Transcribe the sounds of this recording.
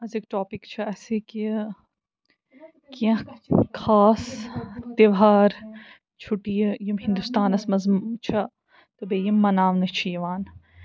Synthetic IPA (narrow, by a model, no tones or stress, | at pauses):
ɐzekʈoːpikt͡ʃʰɐɐseki | kijɐ̃kʰaːst̪eʋɦaːɾ | t͡ʃʰuʈijɐjimɦind̪ust̪aːnɐsmɐzmt͡ʃʰɐ | t̪ɨbejɐmːɐnaːʋnɐt͡ʃʰijɐʋaːn